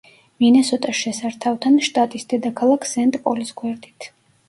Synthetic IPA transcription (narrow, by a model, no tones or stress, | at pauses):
minɛsɔt̪ʼaʃɛsaɾt̪ʰavt̪ʰanʃt̪ʼat̪ʼisd̪ɛd̪akʰalˠakʰsɛnt̪ʼpʼɔlisɡwɛɾd̪it̪ʰ